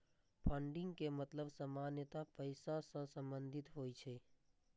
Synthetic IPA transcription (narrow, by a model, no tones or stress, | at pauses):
pʰəɳɖɪ̃ŋɡkemət̪ləbsəmaːnjət̪apəɪsasə̃sə̃mbə̃nd̪ʱɪt̪ɦoːit͡ʃʰeː